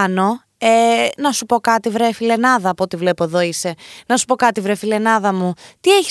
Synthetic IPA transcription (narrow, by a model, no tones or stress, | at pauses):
no̞ | enɐsupo̞kɐt̪ivɾefile̞nɐðɐːpo̞t̪ivle̞po̞eðo̞ise̞nɐsu̥po̞kɐt̪ivɾefile̞nɐðɐmut̪ieçi